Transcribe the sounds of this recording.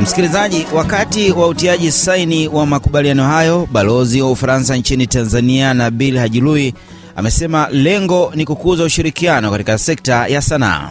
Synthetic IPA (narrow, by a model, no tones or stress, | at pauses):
m̩si̥kilizaʄiwakatiwautiaʄisainiwamakuɓalianɔɦajɔɓalɔziwaufaɾansant͡ʃinitanzanianaɓilhaʄului | a̰mɛsɛmalɛŋɡɔnikukuzauʃiɾikianɔkatikasɛk̚tajasana̰ː